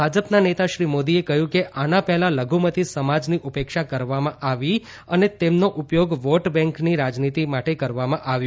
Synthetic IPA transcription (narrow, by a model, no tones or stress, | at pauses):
bʱad͡ʒəpnanet̪aʃɾimod̪iekəɦjũkeʔanapɛɦlaləɡʱumət̪isəmad͡ʒniʔupekʃakəɾʋamãʔaʋi | ənet̪emnoʔupjoɡʋoʈbɛ̃ŋkniɾad͡ʒnit̪imaʈekəɾʋamãʔaʋju